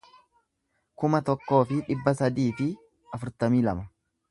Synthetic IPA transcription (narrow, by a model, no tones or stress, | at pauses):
kʊmɐt̪ɔkːo̞ːfɪᶑɪbːɐsɐd̪iːfɪ | ɐfʊɾt̪ɐmiːlɐ̰mɐ